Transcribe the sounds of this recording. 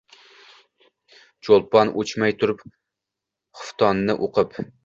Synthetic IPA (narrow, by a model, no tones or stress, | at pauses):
t͡ʃʰolˠpɑnʔot͡ʃʰmɛjt̪ʰʊɾup | χʊft̪ʰɑnːɨʔoqʰəp